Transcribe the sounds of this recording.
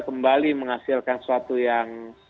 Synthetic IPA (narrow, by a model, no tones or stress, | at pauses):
kəmbaliməŋasɪlkansuat̪ujaŋ